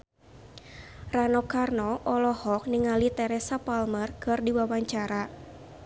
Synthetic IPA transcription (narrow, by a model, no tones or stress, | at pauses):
ranɔkarnɔʔɔlɔhɔk̚niŋalit̪ɛɾɛsapalmərkɨrdiwawaɲt͡ʃaɾa